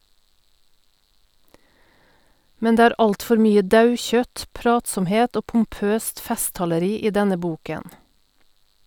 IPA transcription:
ˈmɛn ˈdeː ˈæːɾ ˈɑltˌfɔɾ ˈmyːə ˈdɑʉˌçœt ˈpɾɑːtsɔmˌheːt ˈoː pm̩ˈpøːst ˈfɛstɑləˌɾiː ˈiː ˈdɛnə ˈbuːkən

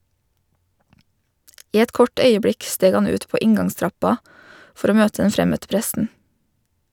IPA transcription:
ˈiː ˈɛt ˈkɔʈ ˈœʏəˌbɽɪk ˈsteːɡ ˈɑn ˈʉːt ˈpoː ˈɪŋɡɑŋˌstɾɑpɑ ˈfɔɾ ˈoː ˈmøːtə ˈɛn ˈfɾɛmœtə ˈpɾɛsn̩

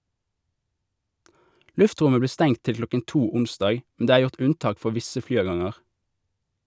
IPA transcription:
ˈlʉfˌtʁʊmə ˈbliː ˈstɛŋ ˈtɪl ˈklɔkən ˈtuː ˈʊnˌsdɑːɡ mn̩ ˈdeː ˈæːʁ ˈjʊʁt ˈʉnˌtɑːk ˈfɔʁ ˈʋɪsə ˈflyːˌɑːˌɡɑŋəʁ

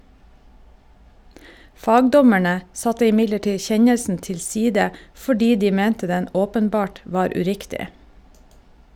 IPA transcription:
ˈfɑːɡdɔmæɳə ˈsɑtə ɪˈmɪɟləˌʈiː ˈçɛɲəlsn̩ tɪlˈsiːdə fɔˈɖiː ˈdiː ˈmɛntə ˈdɛn ˈoːpənˌbɑːʈ ˈʋɑːɾ ʉˈɾɪktɪ

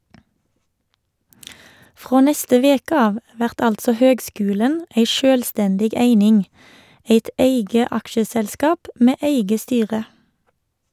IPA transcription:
ˈfʁoː ˈnɛstə ˈʋeːkə ˈɑːʋ ˈʋæʁt ˈɑltsɔ ˈhøːɡˌskʉːlən ˈeɪ ˈʃøːlˌstɛndɪɡ ˈeɪnɪŋ ˈeɪt ˈeɪɡə ˈɑkʃəsɛlˌskɑːp ˈmeː ˈeɪɡə ˈstyːʁə

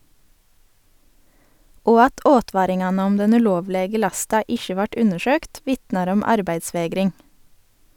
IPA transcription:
ˈoː ˈɑt ˈʔoːˌtʋɑːɾɪŋˌɑːnə ˈɔm ˈdɛn ʉˈloːʋˌleːɡə ˈlɑstɑ ˈɪʃə ˈʋɑʈ ˈʉnəˌʃøːkt ˈʋɪtnɑɾ ˈɔm ˈɑɾbæɪdˌsʋeːɡɾɪŋ

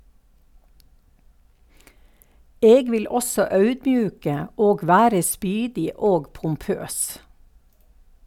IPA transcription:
ˈeːɡ ˈʋɪl ˈɔsɔ ˈɑʉdˌbjʉːkə ˈoːɡ ˈʋæːɾə ˈspyːdɪ ˈoːɡ pʊmˈpøːs

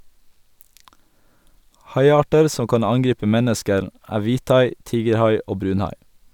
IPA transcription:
ˈhɑɪˌɑːʈəɾ ˈsɔ ˈkɑn ˈɑŋˌɡɾiːpə ˈmɛnəskəɾ ˈæː ˈʋiːˌtɑɪ ˈtiːɡəɾˌhɑɪ ˈoː ˈbɾʉːnˌhɑɪ

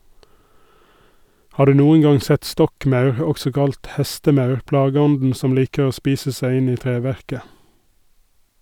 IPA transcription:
ˈhɑː ˈɖʉː ˈnuːən ˈɡɑŋ ˈsɛt ˈstɔkˌmɑʉɾ ə ˈɔɡsɔ ˈkɑlt ˈhɛstəˌmɑʉɾ ˈplɑːɡəˌɔndn̩ ˈsɔm ˈliːkə ˈoː ˈspiːsə ˈsæɪ ˈɪn ˈiː ˈtɾeːˌʋæɾkə

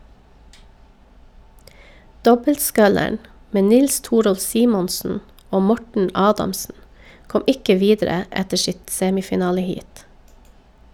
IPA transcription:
ˈdɔbəltˌskœləɳ ˈmeː ˈnɪls ˈtuːɾɔlf ˈsiːmɔnsn̩ ˈoː ˈmɔʈɳ̩ ˈɑːdɑmsn̩ ˈkɔm ˈɪkə ˈʋiːdɾə ˈɛtə ˈsɪt ˈseːmɪfɪˌnɑːləˌhiːt

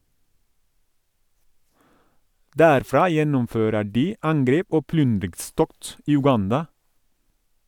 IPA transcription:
ˈdæːɾfɾɑː ˈjɛnʊmˌføːɾə ˈɖiː ˈɑŋˌɡɾeːp ˈoː ˈplʏndɾɪɡˌstɔkt ˈiː ʉˈɡɑndɑ

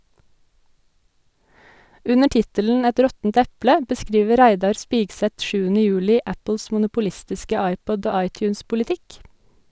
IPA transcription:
ˈʉnə ˈʈɪtəln̩ ˈɛt ˈɾɔtn̩t ˈɛplə bəˈskɾiːʋə ˈɾæɪdɑɾ ˈspiːɡˌsɛt ˈʃʉːənə ˈjʉːlɪ ˈʔæpl̩s mʊnʊpʊˈlɪstɪskə ˈɑɪˌpɔd ˈoː ˈɑɪˌtjʉːnspʊlɪˌtɪk

